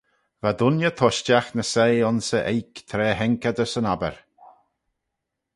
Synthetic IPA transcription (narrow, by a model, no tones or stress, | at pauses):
vad̪ʊnjət̪ʰɔʃt͡ʃaxnəseːɔnsəʔejkt̪ʰɾɛːɦɛŋkəd̪əsənabə̰ɹ